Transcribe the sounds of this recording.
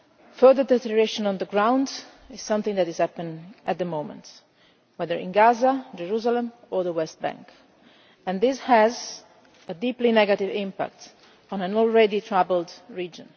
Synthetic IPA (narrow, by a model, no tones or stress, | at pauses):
fɜðəɹd̪ɛt̪əɹeʃɔ̃nɔ̃nd̪əɡɹãw̃nd | ɪz̥sʌ̃mθɪ̃ŋd̪ætɪz̥hæpːə̃næt̪̚d̪əmoʊmə̰̃nt | wɛðəɹɪ̰̃nɡazad͡ʒɛɹuzalə̃m | ɔɹðəwɛst̪̚bæ̰̃ŋk | ɛ̃nd̪ɪshɛz | ədiplinɛɡat̪ivɪ̃mpa̰k̚t̪ | ɔ̃næ̃nɔlɹɛditʰɹavəldɹiːd͡ʒə̰̃n